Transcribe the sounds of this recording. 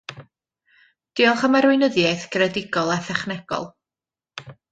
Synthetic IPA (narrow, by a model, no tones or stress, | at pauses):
d̥ɪɔlˠχəmaɾwɪnəðjajθɡ̥rɛdɪɡɔlˠɛθɛχnɛɡ̥ɔ̰lˠ